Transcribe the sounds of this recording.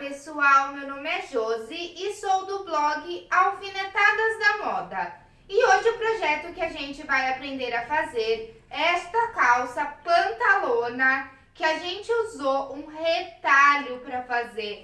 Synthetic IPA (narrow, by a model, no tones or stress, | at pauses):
pesuawmewnõmɪɛʒozɪɪsowd̪ʊblɔɡɪawfinet̪ad̪ɐzd̪ɐmɔd̪ɐ | ɪoʒɪʊpɾoʒɛt̪ʊkɪaʒẽnt͡ʃɪvajapɾẽnd̪eɾɐfazeɾɛst̪ɐkawsɐpɐ̃nt̪alõnɐ | kɪaʒẽnt͡ʃɪuzoũhet̪aʎʊpɾɐfazeɾ